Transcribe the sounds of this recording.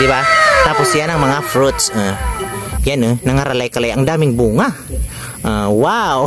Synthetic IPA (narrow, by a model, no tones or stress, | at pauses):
d̪ibat̪aposijanaŋmɐŋafɾut̪sa | janonɐŋaɾalajkalajaŋd̪amɪŋbuŋa | ʔawaw